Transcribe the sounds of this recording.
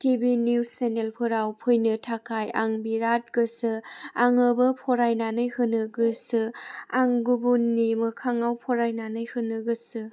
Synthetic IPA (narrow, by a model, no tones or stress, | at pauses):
tibiniwsenelpʰɯɾawpʰojnɯtʰakʰaja̰ŋbiɾat̚ɡ̥ɯsɯaŋɯbɯpʰɔɾajnanɯjhɯnɯɡɯsɯaŋɡubunːimɯkʰaŋawpʰɔɾajnanɯjhɯnɯɡɯsɯ